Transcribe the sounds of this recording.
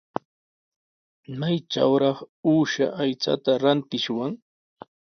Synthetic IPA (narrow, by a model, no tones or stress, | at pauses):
majʈ͡ʂa̰wɾɑχuːʃa̰ʔajt͡sa̰t̪aɾant̪ɪʃwaŋ